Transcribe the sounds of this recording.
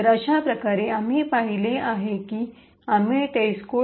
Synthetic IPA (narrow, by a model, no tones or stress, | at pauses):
əɾəʃapɾɐkaːɾeamẽpaɦileaɦeki | amẽʈeːsko